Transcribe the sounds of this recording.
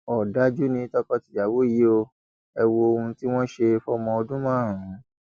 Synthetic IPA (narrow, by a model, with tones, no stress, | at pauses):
ɔ˨da˨˦d͡ʒu˦nĩ˧˦tɔ˦kɔ˧ti˨d͡ʒa˨wo˦˨i˨˦o˧ | ɛ˧wo˧o˧hũ˧ti˦w̃ɔ̃˦ʃe˧fɔ˦mɔ̃˧ɔ˧dũ˦mã˦˨ɾũ˨˦